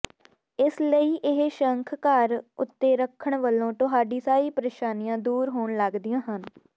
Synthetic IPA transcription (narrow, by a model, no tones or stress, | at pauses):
ɪsləiːʔɪɦʃəŋkʰkaɾʊ̰t̪ːeːɾəkʰːəɳʋəlːõːʈʊɦaːɖiːsaːiːpəɾeːʃaːnijãːd̪uːɾɦoːɳləɡd̪ijãːɦən